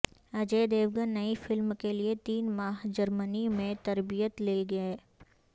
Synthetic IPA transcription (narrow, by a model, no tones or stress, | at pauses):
ɐd͡ʒeːd̪eːʋɡənːɐifɪlmkeliet̪iːnmaːɦd͡ʒɐɾmənimẽt̪ɐɾbijət̪leːɡɐeː